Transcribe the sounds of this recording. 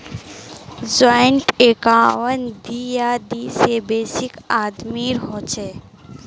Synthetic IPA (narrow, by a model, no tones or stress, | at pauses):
d͡ʒɔnʈekaːwənd̪ijaːd̪isebeːsikaːd̪miɾɦɔt͡ʃʰɛ